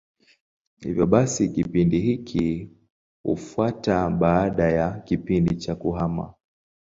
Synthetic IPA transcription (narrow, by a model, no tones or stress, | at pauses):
hḭvjɔɓasikipindiɦikʰi | hṵfuataɓaːɗajakipindit͡ʃakuɦama̰